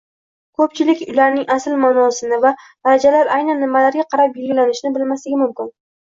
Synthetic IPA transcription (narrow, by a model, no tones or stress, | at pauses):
kʰɵp̚t͡ʃʰɪlɪkʲʊlaɾnɪŋasɪlmanɒsɪnɪvad̪̥aɾad͡ʒalaɾajnanːɪmalaɾɡʲaqʰɑɾapjʊɡlanɪʃɪnɪbɪlmaslɪɡʲɪmʊmkʲɪn